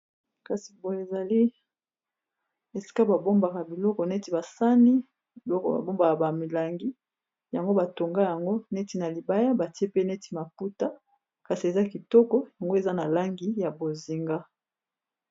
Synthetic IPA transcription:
ka˨si̥˨bo˨je˨za˨li˦ | e˨si̥˦ka˦ba˨bo˦mba˨ka˨bi˨lɔ˦kɔ˨ne˦ti˨ba˨sa˦ni˦ | bi˨lɔ˦kɔ˨ba̰˨bo˦mba˨ka˨ba˨mi˨la˨ŋɡi˦ | ja˨ŋɡo˦ba˨to˨ŋɡa˦ja˨ŋɡo˦ne˦ti˨na˨li˨ba˦ja˦ba˨ti˦e˦pe˦ne˦ti̥˨ma˨pu˦ta˦ | ka˨si˨e˨za˦ki˨tɔ˦kɔ˦ja˨ŋɡo˦e˨za˦na˨la˦ŋɡi˦ja˨bo˨zi˨ŋɡa˦

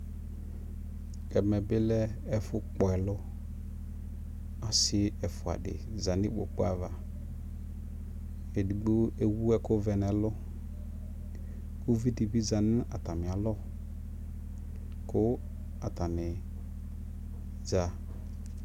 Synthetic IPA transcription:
ɛ˨mɛ˨bɪ˦lɛ˦ɛ˦fʊ˦k͡pɔ˨ɛ˨lʊ˦ | a˦sɪ˦ɛ˨fʊ˨a̰˨dɪ̰˨ | za˨nɪ˦ɓo̰˨k͡pʊ˦a̰˦˨va˨ | e˨di˨ɡ͡bo˦e˦wu˦ɛ˦kʊ˦vɛ˨nɛ˨lʊ˦ | kʊ˦vi˦di˨bi˦za˨nɪ˦a˨ta˨mɪ˨a˨lɔ˦ | kʊ˦ | a˨ta˨nɪ˨ | za˨

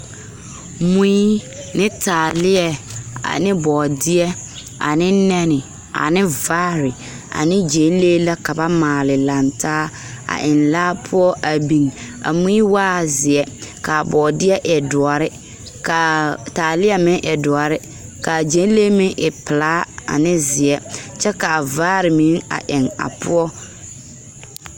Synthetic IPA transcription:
mũ˦i˦ | nɪ˦tʰaː˨lɪ˦ɛ˨a̰˨nɪ̃˦bɔː˨dɪ˦ɛ˦ | a̰˨nɪ̃˦nɛ˦nɪ˨ | a̰˨nɪ̃˦vaː˦ɾɪ˨ | a̰˨nɪ̃˦d͡ʒe˨˦n˦le˦la˦ka˨ba˦maː˨lɪ˨lã˨ntʰaː˦ | a̰˨ʔɪ̃˨nlaː˦pʰʊ˦ɔ˦ʔa˨bĩ˨ŋa̰˨mũ˦i˦waː˦˨zɪ˨ɛ˦ka˨a˨bɔː˨dɪ˦ɛ˦ʔɛ˨dʊ˨ɔ˨ɾɪ˦ | ka˨taː˨lɪ˦ɛ˨mɪ̃˦ŋʔɛ˨dʊ˨ɔ˨ɾɪ˦ | ka˨d͡ʒe˨˦n˦le˦mɪ˦ŋʔɪ˨pɪ˨laː˦a̰˨nɪ˦zɪ˨ɛ˦t͡ʃɛ˦ka˨vaː˦ɾɪ˨mi˨˦ŋa̰˨ʔɪ˨ŋa̰˨pʊ̰˦ɔ˦

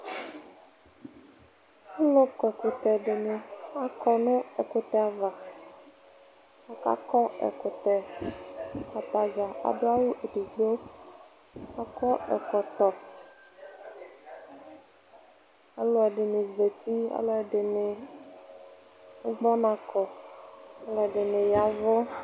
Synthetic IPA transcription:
a˦lo˦kɛ˨ko˨t̪ɛ˨ɖɪ˨nẽ˨a˦kʰɔ˨nʊ̃˦ɛ˨ko˦t̪ɛ˦a˨va˨ | a˦ka̰˦kɔ˦ɛ̰˨ko˨t̪ɛ˨ | a˨t̪a˨d͡ʒa˨a̰˨ɖo˦a˦wu˦ʔe˨ɖi˨ɡ͡bo˦ | a˦kɔ˦ʔɛ̰˨kɔ˨t̪ɔ˨ | a˨lɔ˦ɛ˨ɖɪ˨ne˨ze˨t̪i˦a̰˦lɔ˦ɛ˨ɖɪ˨nɪ̃˨˦ | ɡ͡bɔ˦nã˨kɔ˨ | a˦lɔ˦ɛ˨ɖɪ˨nɪ̃˨ja˨vɔ˦

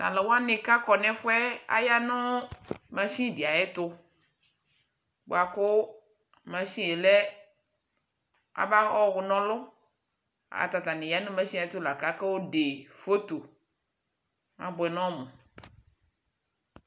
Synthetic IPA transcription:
ta̰˨lɛ˨wo˦a˦nɪ̃˨ka˦kɔ˨nɛ̃˦fʊ˦ɛ˦a̰˨ja˦nʊ̃˦mã˨sĩ˦dɪ˨a˨jɛ˦t̪ʊ˦ | bʊ̰˨a˨kʊ˦ | mã˨sĩ˦je˨lɛ˦ | a̰˨ba˦ɔ˦˨ɣʊ˨nɔ̃˦lʊ˦ | a̰˨a̰˨t̪a˨t̪a˨nɪ̃˨ja˦nʊ̃˦mã˦si˦a˨ɪ˦t̪ʊ˦la˨ka˦kɛ˦wo˦de˨fo˦t̪o˨ | a˨bʊ˨ɛ˨nɔ̃˦mʊ̃˨

